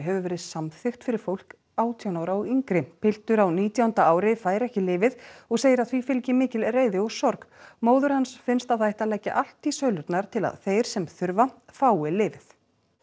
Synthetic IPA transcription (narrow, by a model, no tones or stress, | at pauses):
ɦɛvʏvɛːɾɪðsamθɪxt̪fɪɾɪɾ̥fowl̥k | aːwt̪ʰijawnaːwɾaɔɣiŋkɾɪpʰɪl̥t̪ʏɾawniːt̪ʰjawʏnt̪aaːwɾɪfaːjɾɛhcɪlɪːvɪðɔɣseːjɪɾaðθvifɪlcɪmɪːcɪlreːjðɪɔɣsɔɾkmoːwðʏɾ̥hansfɪnst̪aðθaːjht̪alɛcːa̰ʔal̥t̪isœːɥlʏɾt̪naɾ̥t̪ʰɪla̰ðθejɾ̥sɛmθʏɾvafaːwɪlɪːvɪθ